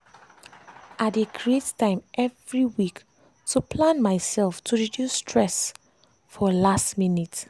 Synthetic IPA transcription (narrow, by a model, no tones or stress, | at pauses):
ʔadekʰɹettːãɪ̃mʔɛvɹiwik | tʰupʰlãnmaɪsɛlftʰuɹidjusːtʰɹɛs | fɔlastminit